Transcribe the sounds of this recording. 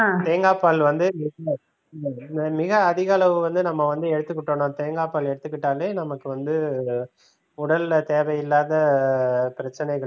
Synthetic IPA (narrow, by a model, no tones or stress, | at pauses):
t̪eːŋɡaːpːaːlʋɐnd̪ɯmɪɣɐ | mɪɣɐːðɪɣaːlɐʋɯʋɐnd̪ɯnɐmːɐʋɐnd̪ɯɛɽɯt̪ːɯkːɪʈːoːnõːt̪eːŋɡaːpaːlɛɽɯt̪ːɯkːɪʈːaːleːnɐmɐkːɯʋɐnd̪ɯ | ʊɽɐlt̪eːʋɐjɪlːaːðɐ | pɪɾɐt͡ʃːɐnɐɪɣɐɭ